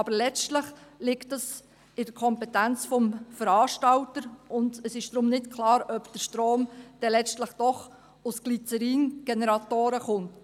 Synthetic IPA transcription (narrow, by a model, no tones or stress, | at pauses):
ɑb̥əɾlɛt͡stləχlɪktəs | ɪd̥əɾkʰɔmpɛtænt͡sfɔmfəɾɑːʃtɑltəɾʊndəsɪʃd̥ɾʊmnɪtkʰlɑːɾœpd̥əʃtɾoːmd̥ɛlɛt͡stləχd̥ɔχ | ʊsɡ̥lit͡səɾiːnɡ̥enɛɾɑtoːɾəχʊnt